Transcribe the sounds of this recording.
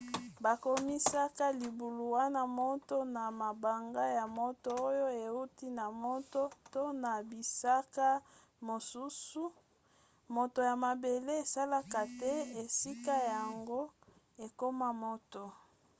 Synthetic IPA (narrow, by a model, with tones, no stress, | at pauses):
ba˨ko˦mi˦sa˦ka˦li˨bu˨lu˨wa˦na˦mo˦to˦na˨ma˨ba˨ŋɡa˦ja˨mo˦to˦o˦jo˦e˨u˦ti˦na˨mo˦to˦to˦na˨bi˨sa˦ka˦ | mo˨su˦su˦ | mo˨to˨ja˨ma˨be˨le˦e˨sa˦la˦ka˨tɛ˦e˨si˦ka˦ja˨ŋɡo˦ | e˨ko˦ma˦mo˦to˨